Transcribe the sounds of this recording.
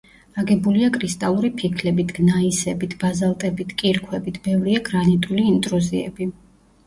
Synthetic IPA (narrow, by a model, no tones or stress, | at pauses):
aɡɛbuliakʰʼɾist̪ʼalˠuɾipʰikʰlɛbit̪ʰɡ̥naisɛbit̪ʰb̥azalˠt̪ʼɛbit̪ʰkʼiɾkʰwɛbit̪ʰb̥ɛvɾiaɡɾanit̪ʼuliːnt̪ʼɾuziɛ̰bi